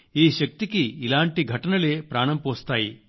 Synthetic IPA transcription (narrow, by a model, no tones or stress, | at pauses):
iːʃɐk̚t̪ikiːlaːɳʈiɡʱɐʈɐnɐleːpɾaːɳɐmpoːst̪aːji